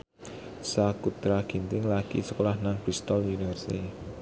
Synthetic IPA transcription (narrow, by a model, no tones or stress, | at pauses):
sakut̪ɾaɡ̥i̤nt̪ɪŋlaɡḭsə̥kolahnaŋpɾist̪ɔljunifərsi̥t̪i